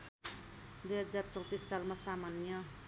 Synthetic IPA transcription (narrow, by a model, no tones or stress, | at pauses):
d̪ujɦʌd͡zart͡sʌ̃w̃t̪isːalmasamanjʌ